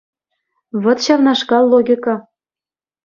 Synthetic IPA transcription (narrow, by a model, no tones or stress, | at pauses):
βɤ̆t̪ɕɑvnɑʂkɑlˠːoɡʲikɑ